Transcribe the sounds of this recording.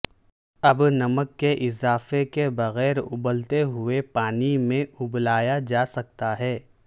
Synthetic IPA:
ɐbnɐməkːeʔɪzaːfekebɐɣɛːɾʊ̰bəlt̪eɦʊepaːnimẽʊblaːjad͡ʒaːsɐk̚t̪aɦɛː

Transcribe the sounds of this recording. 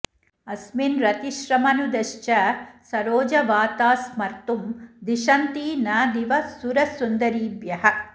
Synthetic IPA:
ɐsminɾɐt̪iʃɾɐmɐnud̪ɐʃt͡ʃɐsɐɾoːd͡ʒɐʋaːt̪aːsmɐɾt̪umd̪iʃɐnt̪iːnaːd̪iʋɐsuɾɐsund̪ɐɾiːbjɐhɐ

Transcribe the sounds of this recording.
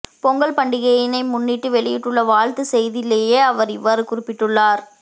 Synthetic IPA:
pɔŋɡɐɭpɐɳɖɪɣɐjɪnɐɪmʊnːiːʈːɯʋɛɭɪjɪʈːɯɭːɐʋaːɻt̪ɯsɛjðɪleːjeːɐʋɐɾɪʋːaːɾɯkʊrɪpːɪʈːɯɭːaːɾ

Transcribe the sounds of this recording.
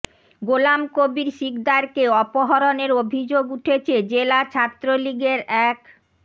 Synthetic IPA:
ɡolamkobiɾʃikd̪aɾkeɔpoɦɔɾoneɾobʱid͡ʑoɡuʈʰet͡ɕʰed͡ʑelat͡ɕʰat̪ːɾoliɡeɾɛk

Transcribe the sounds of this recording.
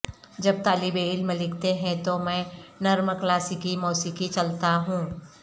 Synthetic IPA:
d͡ʒɐb̚t̪aːlɪbeɪlməlɪkt̪eɦɛ̃t̪omɛ̃ːnɐɾməklaːsɪkimɔːsikit͡ʃɐlt̪aɦũː

